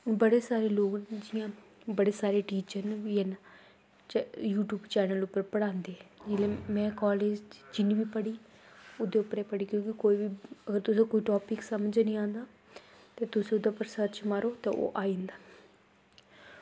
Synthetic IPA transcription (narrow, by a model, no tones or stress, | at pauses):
bəɽeːsaːɾeːloːkd͡ʒɪjãː | bəɽeːsaːɾeːʈiːt͡ʃəɾnijən | juːʈjuːbt͡ʃɛːnəlʊpːəɾpəɽãːnd̪eːɛd͡ʒɪleːmɛ̃ːkɔːleːd͡ʒd͡ʒɪnːʋiːpəɽiː | ʊd̪eːʊpːəɾeːpəɽiːkjõːkɪkoːiːʋiːəɡəɾt̪ʊsẽːkoːiːʈɔːpɪksəmd͡ʒnĩːãːnd̪aː | t̪eːt̪ʊsẽːʊd̪ãːpəɾsət̪t͡ʃmaɾoːt̪eːʔo̰ːʔaːĩːnd̪aː